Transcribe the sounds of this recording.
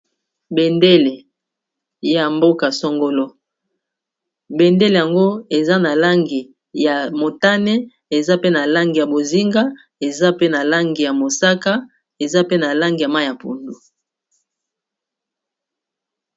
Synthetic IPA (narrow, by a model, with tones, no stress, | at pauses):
be˨nde˦le˨ | ja˨mbo˦ka˨sɔ˦ŋɡo˦lo˦ | be˨nde˦le˨ja˨ŋɡo˦e˨za˦na˨la˦ŋɡi˨ | ja˨mo˨ta˦nɛ˦ | e˨za˦pe˦na˨la˦ŋɡi˨ja˨bo˨zi˦ŋɡa˦ | e˨za˦pe˦na˨la˦ŋɡi˨ja˨mo˨sa˦ka˦ | e˨za˦pe˦na˨la˦ŋɡi˨ja˨ma˦˨ja˨pṵ˨ndo˨